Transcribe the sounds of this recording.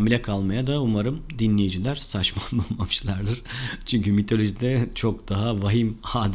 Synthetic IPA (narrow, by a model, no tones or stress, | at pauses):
milʲɛkʰalˠmajad̪aumaɾɯmd̪inlʲejid͡ʒilʲæɾsat͡ʃmanbulˠmamɯʃlˠaɾd̪ɯɾ̥t͡ʃʰyɲcymit̪ʰo̞lʲo̞ʒid̪ɛt͡ʃʰo̞kd̪aɦavaɦimhaːd̪